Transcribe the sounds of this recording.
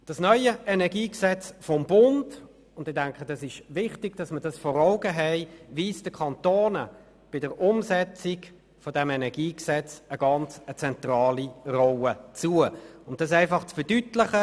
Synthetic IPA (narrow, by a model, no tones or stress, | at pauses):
d̥ɑsnœʏəʔɛnɛɐɡiːksɛt͡sfɔmbʊnd | ʊndɪdɛŋkχəd̥ɑsɪʃvɪχtɪɡ̥d̥ɑsmədɑsfɔːɾaʊɡəɦɛɪviːsd̥əkʰɑntoːnə | b̥ɪdəɾʊmsɛt͡sɪɡ | fodɛmɛnɛɐɡiːksɛt͡səɡ̥ɑnt͡sət͡sɛntʁɑːlirɔwət͡suəʊnt̚d̥ɑs̬æɪfɑχt͡sfədytlɪχə